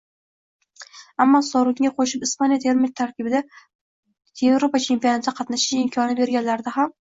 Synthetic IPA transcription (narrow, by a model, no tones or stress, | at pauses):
amːɒsɒɾɪɡʲɪaqʰoʃɪpɪspanjat̪ʰeɾmɪt̪ʰaɾkʲʰɪbɪd̪a | jevɾopat͡ʃʰe̞mpijonat̪ɪqʰɑt̪naʃɪʃɪmkʲʰɒnɪbe̞ɾɡʲanlaɾd̪aɦam